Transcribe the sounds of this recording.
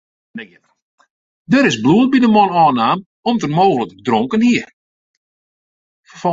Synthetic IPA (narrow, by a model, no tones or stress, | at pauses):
dəɾɪsbluət̚bidəmɔnɔːnaːm | ɔmtərmoːɣələkdroŋkənhiər | fəfɔ